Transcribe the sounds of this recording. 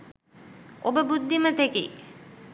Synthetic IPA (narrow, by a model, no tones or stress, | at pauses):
obəbud̪ːimət̪ekḭ